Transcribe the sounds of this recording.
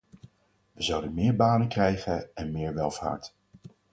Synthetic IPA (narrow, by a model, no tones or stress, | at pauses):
ʋəzɑwdənmɪːɹbaːnəkrɛjχənɛnmɪːɹʋɛlˠva̰ːɹt